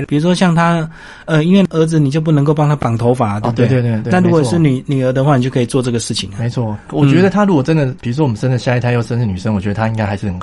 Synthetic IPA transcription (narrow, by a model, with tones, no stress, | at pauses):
pi˨˩ɻu˧˥ʂwɔ˥ɕjɑ˥˩ŋt̪ʰa˥ | ə˨i˥nwe˥˩ə˧˥d͡z̩˧ni˨t͡ɕjo˥˧ʊp̬u˥˩nə˧˥ŋko˥˧ʊpɑ˥ŋt̪ʰa˥pɑ˨˩ŋt̪ʰo˧˦ʊfa˨˥˩t̪e˥˧˥e˥˧˥na˥˩nɻu˧˥wʂɻ̩˥˩ny˨˩ny˨˩ə˧˥d̪ə˧xwa˥˩ni˨t͡ɕjo˥˧˩kʰi˨t͡swɔ˥˧ʈ͡ʂɤ˥˩ɡə˩ʂɻ̩˥˩t͡ɕʰi˨˩ŋ˨me˧˦ɪt͡sʰwɔ˥˩wɔ˨˩t͡ɕɥɛ˧˥d̪ə˧t̪ʰa˥ɻu˧˥kɔ˨˩ʈ͡ʂə˦˥nd̪ə˨pi˨ɻu˥wɔ˥wɔ˨˩mə˦nʂə˥nd̪ə˨ɕja˥˧˨t̪ʰa˥˧jo˥˧ʊʂə˥nʂɻ̩˥˩ny˨˩ʂə˦ŋwɥɛ˧˦d̪ə˧a˥i˦ŋka˥ɪxa˧ɪʂɻ̩˥˩ə˨˩n